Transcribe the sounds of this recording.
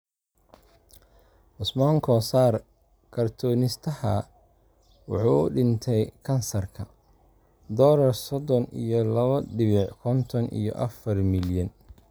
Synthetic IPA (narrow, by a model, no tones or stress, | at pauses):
ʔʊsmɔːŋkʰɔsaːr | kʰɐrt̪ʰɔːnɪst̪ʰɐhɐ | wɑħuːʊɖɪnt̪ʰɛjkʰɐnsɐrkʰɐ | d̪ɔːlɐrsɔd̪ɔnijɔlɐβɐɖɪβɪʕkʰɔnt̪ʰɔnʔḭjɔ̰ʔɐ̰fɐrmɪljɐn